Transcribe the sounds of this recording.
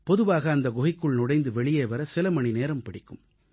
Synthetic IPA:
pɔðɯʋaːɣɐːnd̪ɐɡɔɣɪkːɯɭnʊɽɐɪnd̪ɯʋɛɭɪjeːʋɐɾɐsɪlɐmɐɳineːɾɐmpɐɽɪkːɯm

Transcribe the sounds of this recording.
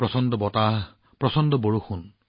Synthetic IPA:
pɹɔsɔndɔbɔta | pɹɔsɔndɔboɹuxun

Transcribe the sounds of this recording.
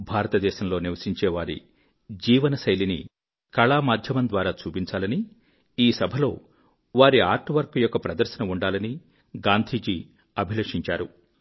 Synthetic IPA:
bʱaːɾɐt̪ɐd̪ɛːʃɐmlo̞ːniʋɐsiɲt͡ʃeːʋaːɾḭ | d͡ʒiːʋɐnɐsɐjlinḭ | kɐɭaːmaːd̪ʱjɐmɐnd̪ʋaːɾaːt͡ʃuːpiɲt͡ʃaːlɐni | iːsɐbʱɐlo̞ː | ʋaːɾia̰ːɾʈʋɐɾkɐjɔkːɐpɾɐd̪ɐɾʃɐnɐuɳɖaːlɐni | ɡaːnd̪ʱiːd͡ʒi | ɐbʱilɐːʂiɲt͡ʃaːɾu

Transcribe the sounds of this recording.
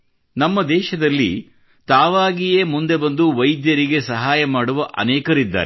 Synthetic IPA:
nɐmːɐd̪ɛːʃɐd̪ɐlːḭ | t̪aːʋaːɡijeːmund̪e̞bɐnd̪uʋɐjd̪jɐɾiɡe̞sɐɦaːjɐmaːɽuʋɐʔɐ̰nɛːkɐɾid̪ːa̰ːɾe

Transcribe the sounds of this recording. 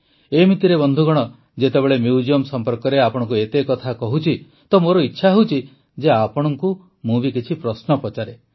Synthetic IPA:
emit̪iɾebɔnd̪ʱuɡɔɽ̃ɔ | d͡ʒet̪ebeɭemjud͡ʒiɔmsɔmpɔɾkɔɾeapɔɽ̃ɔ̃ŋk̬uet̪ekɔt̪ʰakɔɦut͡ʃʰi | t̪ɔmoɾɔitːʃʰaɦut͡ʃʰi | d͡ʒeapɔɽ̃ɔŋku | mubikit͡ʃʰipɾɔsnɔpɔt͡ʃaɾe

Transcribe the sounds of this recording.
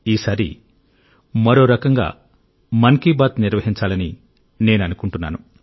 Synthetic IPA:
iːsaːɾḭ | mɐɾo̞ːɾɐkɐŋɡa̰ː | mɐŋkiːbaːt̪niɾʋɐɦiɲt͡ʃaːlɐni | ne̞ːnɐnukuɳʈunːa̰ːnu

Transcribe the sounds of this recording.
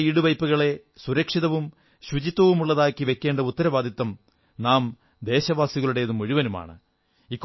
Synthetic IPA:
iːɽuʋɐjpːuɣɐɭe̞ | suɾɐkʂiðɐʋum | ɕut͡ɕit̪ːwɐʋumuɭːɐðaːkːiʋe̞kʲːe̞ːɳɖɐut̪ːɐɾɐʋaːd̪ʱit̪ːɐm | naːm | d̪e̞ːɕɐʋaːsiɣɐɭuɽe̞jɐðumoɻuʋɐnuma̰ːɳɨ | ikː

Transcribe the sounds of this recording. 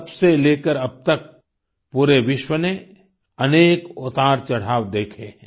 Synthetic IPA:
bseleːkəɾɐb̚t̪ək̚ | puːɾeʋɪʃwəne | ɐneːkʊt̪aːɾt͡ʃɐɽ̤aːʋd̪eːkʰeɦɛ̃

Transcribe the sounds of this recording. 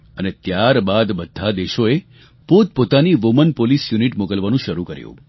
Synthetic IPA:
ənet̪jaɾbad̪bəd̪ʱːad̪eʃoe | pot̪̚pot̪aniʋomənpolisjuniʈmokəlʋanũʃəɾukəɾjṵ̃

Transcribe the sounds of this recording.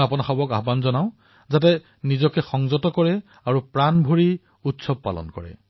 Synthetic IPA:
apɔnaxɔbɔka̰ɦbanzɔnaʊ̃ | zat̬ɛ | nizɔkɛxɔŋzɔtɔkɔɹɛ | aɹupɹanbʱoɹi | utsɔb̚pːa̰lɔ̰nkɔ̰ɹɛ̰

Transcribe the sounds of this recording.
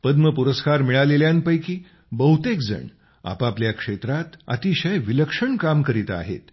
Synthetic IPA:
pəd̪məpuɾəskaɾmiɭaleljanpəjkiː | bəɦut̪ekd͡zə̰ɳ | a̰papljakʂet̪ɾat̪ə̰t̪iɕəjʋiləkʂəɳkamkəɾit̪a̰ɦḛt̪

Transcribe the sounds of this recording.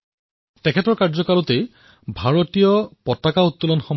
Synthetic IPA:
tɛkʰɛtɔɹkaɹzɔkalɔtej | bʱaɹotijɔpɔtakaut̪ːulɔnxɔm

